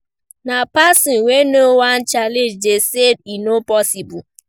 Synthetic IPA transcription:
napasinwenowan̩t͡ʃaled͡ʒdesed̚inopɔsibʊ

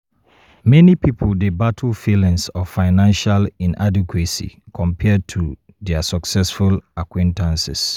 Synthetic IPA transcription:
mɛnipʰipʰoldebatʰəlfilĩŋsɔffaɪnãnʃalĩnʔa̰dikʰwesḭkʰɔ̃mpʰɛd̚tʰu | dɛasɔksɛsfulakwẽntʰãnsɪ̰s

